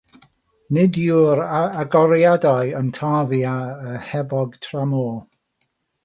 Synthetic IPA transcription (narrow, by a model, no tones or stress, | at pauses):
nɪdjuɾaaɡɔɾjadaɨəntʰaːvjaəhɛbɔɡ̥tʰramo